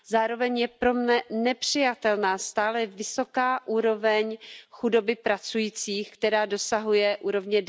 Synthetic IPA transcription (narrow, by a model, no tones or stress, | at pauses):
zaːɾo̞vɛɲjɛpɾo̞mnɛnɛpr̝̥ɪjat̪ɛlnaːst̪aːlɛvɪso̞kaːʔuːɾo̞vɛɲxudo̞bɪpɾat͡sujiːt͡siːxkt̪ɛɾaːdo̞saɦujɛʔuːɾo̞vɲɛd